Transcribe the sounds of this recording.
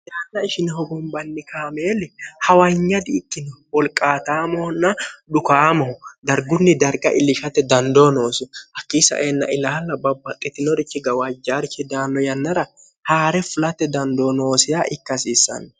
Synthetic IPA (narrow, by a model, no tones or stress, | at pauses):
jaːnːɐɪʃɪnhɔɡʊmbɐnːɪkʰaːmeːlɛhɐwɐjɲːɐd̪ɪːkːɪnɔwɔlkʼːaːt̪aːmɔnːɐᶑʊkaːmɔʊd̪ɐɾɡʊnːɪd̪ɐɾɡɐ̰ʔɪlɪʃɐt̪ːɛd̪ɐnd̪oːno̞ːsʊhɐkːiːsɐ̰ʔeːnːɐ̰ʔɪlaːlːɐbɐbːɐt̪ʼɪt̪ːɪnɔɾɪt͡ʃːɪɡɐwad͡ʒːaːɾɪt͡ʃːɪd̪aːnːɔjɐnːɐɾɐ | haːɾɛfʊlɐt̪ːɛd̪ɐnd̪oːnoːsɪjaʔɪkːɐsiːsːɐ̰n